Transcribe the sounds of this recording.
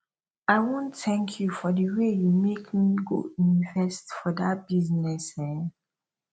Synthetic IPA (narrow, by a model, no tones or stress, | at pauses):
aɪwõntɛ̃ŋkʰjufɔdəwejumekmiɡo̰ĩnvɛstfɔdat̚b̥iznɛsɛ